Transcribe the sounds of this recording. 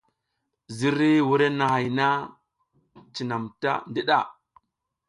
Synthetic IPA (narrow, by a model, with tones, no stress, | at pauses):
zi˦ɾi˦wu˦ɾe˦na˨ha˨jna˦ | t͡ʃi˨na˨mta̰˦ndi˦ɗa˦˨